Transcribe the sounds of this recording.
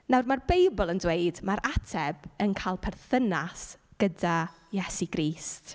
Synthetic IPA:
nawrmarbejbɔlˠəndweɨdmaɾʔatʰɛb̥ənkʰalˠpʰɛrθənasɡ̥əda | jɛsiɡɾiːst

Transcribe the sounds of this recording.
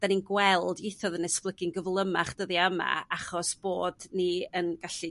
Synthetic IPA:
d̥aninɡwɛlˠdiθɔðənɛsklˠəɡɪnɡəvlˠəmaχd̥əðiəma̰aχɔsb̥oːdniənɡ̥aɬi

